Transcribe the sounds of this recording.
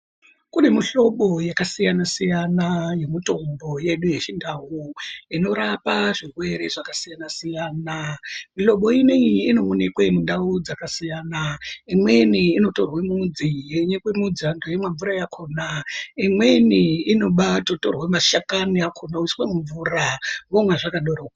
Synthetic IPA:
kunemiɬo̞ɓo̞jakasijanasijanaje̞mito̞mbo̞je̞ɗuje̞t͡ʃindaɦuino̞ɾapaʐirwe̞ɾe̞ʐakasijanasijaːnamiɬo̞ɓo̞ineiːno̞munekwemundaud͡zakasijaːnaimwe̞iniːno̞to̞rwemud͡zijeɲekwemud͡zandojemwaɱvuɾajakʰoːnaimwe̞niːno̞ɓatoto̰rwemaʃakaniakʰonauswemuɱvurawomwaʐakaɗoroka

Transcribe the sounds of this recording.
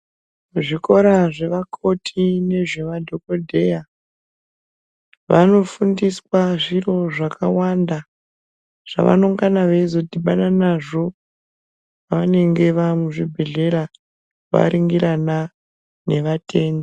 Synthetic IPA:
ʐiko̞ɾaʐe̞ʋakʰo̞tʰine̞ʐe̞ʋadʱo̞kodʱe̞ja | ʋano̞fundiswaʐiro̞ʐakawanda | ʐ̥a̰ʋa̰no̞ŋɡanaʋeizo̞dʱiɓaɗanaʐo̞ | ʋane̞ŋɡe̞ʋamuʐibʱe̞ɮe̞ɾa | ʋa̰ɾiŋɡiɾana | ne̞ʋate̞ːndo

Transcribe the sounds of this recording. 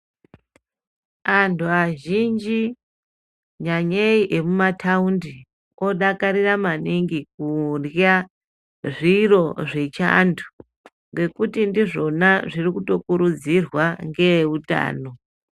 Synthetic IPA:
antʰuaʒind͡ʒi | ɲaɲeiʔemumatʰaundi | o̞ɗakaɾiramaniŋɡik̚urja | ʐiro̞ʐe̞t͡ʃa̰ntʰu̥ | ŋɡe̞kutindiʐo̞naʐirikuto̞kuɾud͡zirwaŋɡe̞uta̰ːno̞

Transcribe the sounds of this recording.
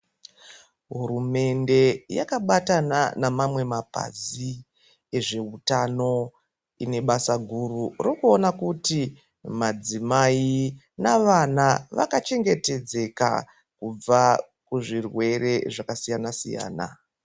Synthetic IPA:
ɦuɾume̞nde̞ja̰kaɓatananamamwe̞mapa̰zi | e̞ʐe̞utano̞ | ine̞ɓasaɡʱururokuonakuti | mad͡zimai | naʋanaʋa̰kat͡ʃe̞ŋɡe̞te̞d͡ze̞ka̰ | kub͡va | kuʐirwe̞ɾe̞ʐakasijanasḭja̰ːna̰

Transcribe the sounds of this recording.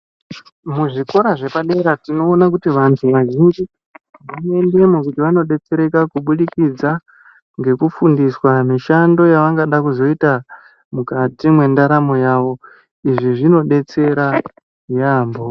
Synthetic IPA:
muʐiko̞ɾaʐe̞paɗe̞ɾatino̞ːnak̬utiʋantʰuʋaʒind͡ʒi | ʋane̞nde̞mokutiʋano̞ɗe̞t͡se̞ɾe̞kakuɓuɗikid͡za | ŋɡe̞kufundiswamiʃando̞jaʋaŋɡaɗakuzo̞ita | mukatimwe̞ndaɾamo̞jaːʋo̞ | iʐiʐino̞ɗe̞t͡se̞ɾa | jaːmbo̞

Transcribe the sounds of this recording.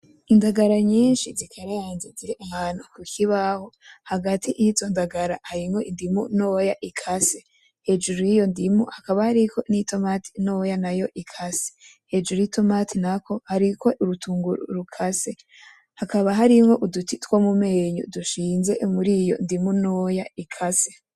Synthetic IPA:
indaɡaɾaɲiːnʃizikʰaɾaaːnzeziɾiʔahaːn̥hukukʰiβaho̞haɡatʰiʔjizondaɡaɾahaɾimoindimuno̞ːjaʔikʰase̞ | he̞d͡ʒuɾujijondimṵhakaβahaɾiko̞nito̞matʰi̥no̞janajo̞ʔikʰase̥ | he̞d͡ʒuɾuito̞matʰinakʰo̞haɾiko̞ʔuɾutuːŋɡuɾṵɾukʰase̞ | hakaβaɦaɾiŋo̞ʔudutitwomumeːɲṵduʃiːnze̞̰muɾijo̞̰ndimuno̞ːjaikʰase

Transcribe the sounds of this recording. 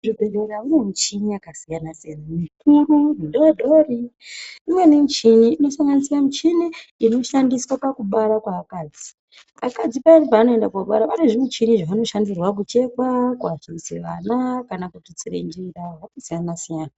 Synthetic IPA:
ʐibʱe̞ɾeɾaune̞mut͡ʃiniakasijanasijanamikururindoaɗʱoriimwe̞nemut͡ʃiniːno̞saŋɡanisiamut͡ʃiniino̞ʃandiswapakuɓaɾakwaːkaːd͡zi̥ | akad͡zipairipaːno̞endakwaɓa̰ɾapaneʐimut͡ʃiniʐaʋano̞ʃandirwakut͡ʃe̞kwakuat͡ʃiseʋa̰nakanakutit͡siɾḛnd͡ʒiɾawakasijanasijaːna

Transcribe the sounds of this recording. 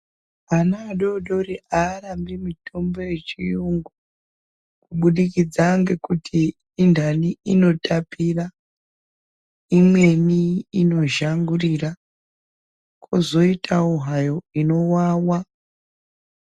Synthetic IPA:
anaɗo̞ɗo̞ɾiʔaːɾambimito̞mbo̞je̞t͡ʃijuŋɡu | kuɓuɗikid͡zaŋɡe̞kutʰiː | ndʱaniino̞tapira | imwe̞niːno̞ʒaŋɡurira | kʰozo̞itʰauɦajo̞ino̞waːwa

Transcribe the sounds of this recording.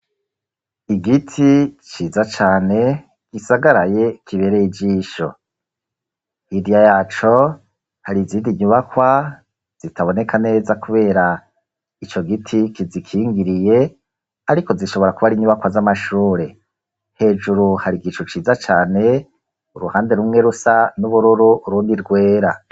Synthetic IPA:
iɡitʰit͡ʃiːzat͡ʃaːne̞ | ɡ̥isaɡaɾaje̞kʰiβe̞ɾejid͡ʒiːʃo̞̰ | hidijajaːt͡ʃo̞ | haɾiziːndiɲuβakwa | z̥itʰaβo̞ne̞kʰane̞ːzakuβe̞ːɾa | it͡ʃo̞ɡitʰikizikʰiːŋɡiɾije̞ | aɾiko̞ziʃo̞βo̞ɾakuβaɾiɲuβakwazamaʃuːɾe̞ | he̞ːd͡ʒuɾuhaɾiɡiʃut͡ʃiːzat͡ʃaːne̞ | uɾuhaːnde̞ɾumŋe̞ɾusanuβuɾuɾuːɾuːndiɾɡwe̞ːɾa̰

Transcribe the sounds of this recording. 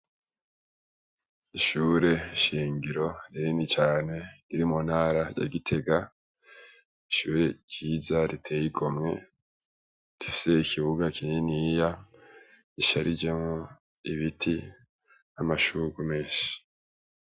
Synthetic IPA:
iʃuːɾe̞ʃiːŋɡiɾo̞ɾiɾinit͡ʃaːne̞kiɾimunhaːɾaja̰ɡitʰe̞ɡa | iʃuːɾe̞t͡ʃiːzaɾitʰe̞ːjiɡo̞mŋe̞̰ | d̥i̥fi̥se̞ikʰiβuɡakininija | iʃaɾid͡ʒe̞mŋo | iβitʰi | namaʃuɡume̞ːʃi̥

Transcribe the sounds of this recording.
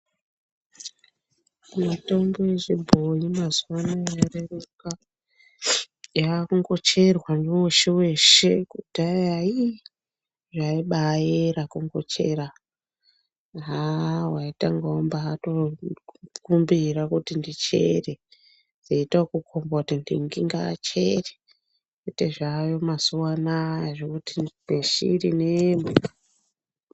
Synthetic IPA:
mito̞mbojeʐibʱojimazuwanajareruka | jakuŋɡo̞t͡ʃe̞rwaneoʃewe̞ʃekud̥ʱajai | ʐaiɓajeɾakuŋɡo̞t͡ʃe̞ɾa | ɦawaitaŋɡombaato | kumbirakutindit͡ʃḛre | nd͡zeitakukʰombatindḭŋɡiŋɡa̰t͡ʃere | kuteʐajo̞masuwanajaʐekutineʃḭɾinemu

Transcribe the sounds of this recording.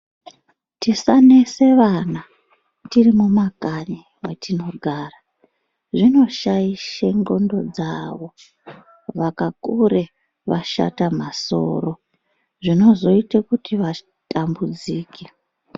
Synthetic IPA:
tisaneseʋana | tirimumakani | wetʰino̞ɡʱaːra | ʐino̞ʃaiʃeŋɡo̞ndo̞d͡zaʋo̞ | ʋakakuɾe | ʋa̰ʃa̰tamaso̞̰ɾo̞ | ʐino̞zo̞itekutiʋa | tʰambud͡ziːke

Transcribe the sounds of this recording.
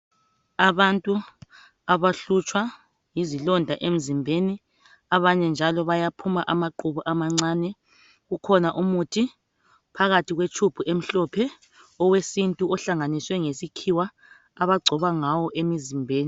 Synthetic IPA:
aβantʼu | aβaɬut͡ʃʰʼwa | jizilɔndʱaʔem̩zimbʱeni | aβaɲɛnd͡ʒʱalɔβajapʰumaʔamaǃuβuʔamaŋ͡ǀaːnɛ | ɣukʰɔnaʔumutʰi | pʰaɣatʰiɣwet͡ʃʰub̥ʰʱuʔem̩ɬɔpʰɛ | ɔwesintʼuɔɬaŋaniswɛŋesikʰiwa | aβaɡ͡ǀʱɔβaŋawɔʔemizimbʱeːni

